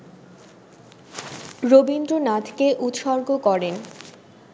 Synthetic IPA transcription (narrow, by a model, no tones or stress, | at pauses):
ɾobind̪ɾonat̪ʰkeʔut̪ʃɔɾɡokɔɾen